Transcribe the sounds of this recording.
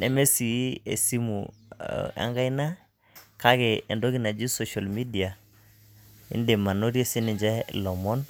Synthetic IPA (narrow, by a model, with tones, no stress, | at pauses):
ɛ˨me˦si˨˦ḛ˨si˦mṵ˨ | a̰˦ŋɡa˦i˦na˦ | ka˦kɛ˨ɛ˨ndo˦ki˦na˨d͡ʒi˦so˨ʃa˨lmi˦di˨a˨ | ḭ˦nde˨ma˨no˦ɾje˦si˦nɪ˨d͡ʒɛ˦lɔ˨mɔ˦n